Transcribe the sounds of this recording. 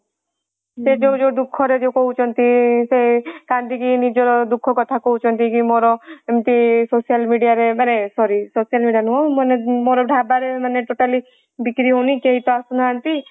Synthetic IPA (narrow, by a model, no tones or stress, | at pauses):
sed͡ʒod͡ʒod̪ʊkʰːɔɾed͡ʒokɔɦut͡ʃɔnt̪isekãnd̪ikinid͡ʒɔɾd̪ukʰːɔkɔt̪ʰakɔɦut͡ʃʰɔnt̪ikimoɾɔemt̪isosijəlmiɖijaɾemɛnesɔɾisosijəlmiɖijanuomənemoɾɔɖʱaːbaɾeməneʈoʈali | bikɾiɦonikeɦit̪ɔasunant̪i